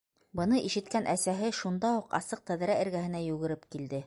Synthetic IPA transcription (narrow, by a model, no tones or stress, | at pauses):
bɤ̆nɤʔiʃɘ̆t̪kænʔæsæɦɘʃund̪ɑuqɑ̰sɤq̚t̪æð̆ɾæɘ̆ɾɡæhɘ̆næjʉɣɘ̆ɾɘpkild̪ɘ